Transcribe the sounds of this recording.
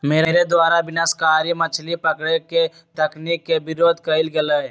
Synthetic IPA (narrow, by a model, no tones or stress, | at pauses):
meːɾeːɾed̪waːɾabɪnaskaːɾimɐt͡ʃʰlipɐkɽeke | t̪ɐkniːkːebɪɾoːd̪ʱkɐɪlɡɐlə